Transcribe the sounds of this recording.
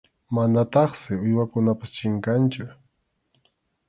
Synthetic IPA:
manat̪ɑχsɪʊjwakʊnapḁst͡ʃɪŋkant͡ʃʊ

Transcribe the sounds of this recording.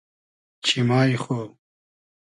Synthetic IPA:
t͡ɕʰimaːjxo

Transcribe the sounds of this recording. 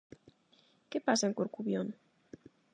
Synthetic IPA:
kepasaeŋkoɾkuβjon

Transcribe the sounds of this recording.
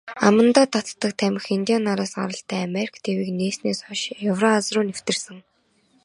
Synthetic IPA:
amə̆nt̪aːt̪ʰat̪ːə̆k̚t̪ʰæmʲɪ̆xint̪ʲijanːaɾaːsɢa̰ɾə̆ɬt̪ʰæːameɾʲi̥kʰt̪ʰewiːkneːsneːsɔʃewrɔat͡srʊːnew̥t̪ɘ̆rsɘ̆ŋ

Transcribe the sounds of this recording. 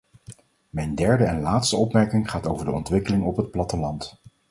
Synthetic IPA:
mɛjndɛɹdəɛnlaːtstəɔpmɛɹkɪŋχaːtowvəɹdəɔntʋɪkəlɪŋɔpɦət̚plɑtəlɑnt

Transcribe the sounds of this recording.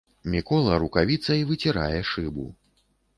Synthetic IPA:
mʲikɔlˠɐɾukavʲit̪sɐivɨt͡sʲiɾa̰jɛʂɨbṵ

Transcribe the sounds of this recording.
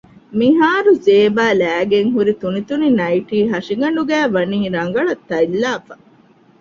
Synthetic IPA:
miɦaːɾuzeːbaːlæːɡeŋɦuɾit̪unit̪uninɐjʈiːɦɐʂiɡɐɳɖuɡæːʋɐniːɾɐŋɡɐɭɐt̪ːɐjlːaːfɐ

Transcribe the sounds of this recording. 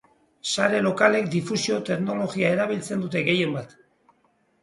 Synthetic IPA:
saɾe̞lo̞kale̞k̚d̪ifusio̞t̪e̞kno̞lo̞ɣiae̞ɾaβ̞ilt͡se̞nd̪ut̪̬e̞ɣe̞je̞mbat̪

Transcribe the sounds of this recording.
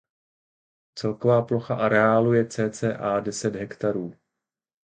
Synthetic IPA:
t͡sɛlko̞vaːplo̞xaʔaɾɛaːlujɛt͡sɛːt͡sɛːʔaːdɛsɛd̪ɦɛkt̪aɾuː

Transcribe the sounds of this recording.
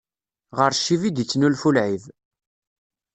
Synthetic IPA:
ʁəɾʃːivid̪it͡sːnulfulʕiv

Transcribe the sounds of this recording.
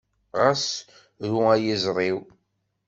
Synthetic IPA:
ʁas | ɾuæjəzɾˤiw

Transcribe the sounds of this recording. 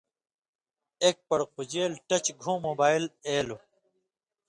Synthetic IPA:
eːk̚pɐɾqud͡ʑeːlʈɐt͡ɕɡʱũːmoːbaːileːlo

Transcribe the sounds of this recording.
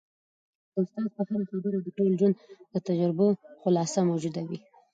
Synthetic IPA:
d̪əʊst̪ɑzpəhaɾaxabəɾod̪əʈold͡ʒwand̪d̪̥ət̪ad͡ʒaɾboxʊlɑsamawd͡ʒud̪awi

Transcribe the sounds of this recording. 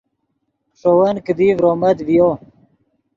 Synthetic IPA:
ʂowɐnkəd̪iːvɾoːmɐd̪ʋijo

